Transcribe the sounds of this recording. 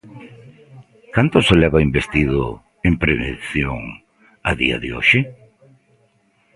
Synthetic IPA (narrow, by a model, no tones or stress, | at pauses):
kant̪ʊselɛβaimbest̪iðʊ | empɾeβḛnθjo̰ŋ | a̰ðḭɐ̰ðɪo̰ʃɪ